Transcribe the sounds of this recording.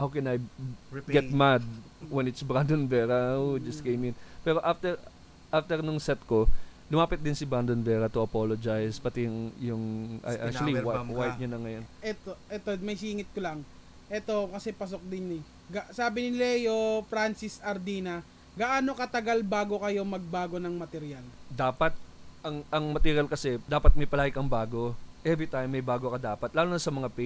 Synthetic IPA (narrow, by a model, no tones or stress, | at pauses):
hawkɛnajɡɛt̪mad̪̚ | wɛnɪt̪sbɾand̪onvɛːɾɐd͡ʒɐst̪kejmɪnpɛːɾo̞ʔaft̪ɛɹ | ʔaft̪ɛɾnʊŋsɛt̪̚ko̞lʊmaːpɪt̪̚d̪ɪnsɪbɾand̪onvɛːɾɐt̪ʊɐpolod͡ʒajspɐt̪ɛjʊŋjʊŋʔa̰jʔa̰k̚ɐliwwaj̚ɲanɐŋɐjonʔɛt̪oʔɛt̪omɐjsiːŋɪt̪̚kolɐŋ | ʔɛt̪o̞kɐsɛpɐs̬ok̚d̪ɪnɪ | ɡasaːbɪnɪlɐjofɾansɪsɐɾd̪iːnɐ | ɡɐʔaːno̞kɐt̪ɐɡalbaːɡo̞kɐjo̞mɐɡ̚baːɡo̞nɐŋmɐt̪ɛɾɪjald̪aːpɐt̪̚ʔɐŋɐŋmɐt̪ɛɾjalkɐsɛd̪aːpɐt̪̚mɐjpɐlaːɡɪkɐŋbaːɡo̞ʔɛvɾit̪ajmːɐjbaːɡo̞kɐd̪aːpɐt̪̚laːlonɐsɐmɐŋapɛ